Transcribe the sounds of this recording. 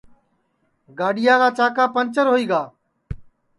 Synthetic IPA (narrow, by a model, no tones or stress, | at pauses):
ɡaːɗɪjaːkaːt͡ʃaːkaːpənt͡ʃəɾɦoːiːɡaː